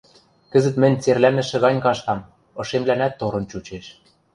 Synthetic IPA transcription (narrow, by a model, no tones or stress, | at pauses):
kɘ̆zɘ̆t̪mɘ̆nʲt͡serlænɘ̆ʃɘ̆ɣɑnʲkɑʃt̪ɑm | ɤ̆ʃemlænæt̪ːoɾɤ̆nt͡ɕut͡ɕeʃ